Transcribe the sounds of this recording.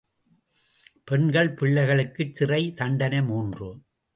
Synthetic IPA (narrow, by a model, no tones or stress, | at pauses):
pɛɳɡɐɭpɪɭːɐɪɣɐɭɯkːɯt͡ʃːɪrɐɪt̪ɐɳɖɐnɐɪmuːndrɯ